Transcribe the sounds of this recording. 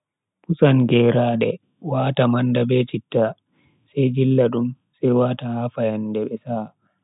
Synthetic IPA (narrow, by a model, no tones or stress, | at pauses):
pusanɡɛːɾaːɗɛ | waːtamandabɛt͡ʃitːa | sajd͡ʒilːaɗum | sɛjwaːtahaːfajandɛɓɛsaː